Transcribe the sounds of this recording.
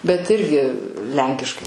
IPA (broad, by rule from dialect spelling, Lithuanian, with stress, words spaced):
bʲɛt ˈɪrʲɡʲɪ ˈlʲɛŋʲkʲɪʃkɐɪ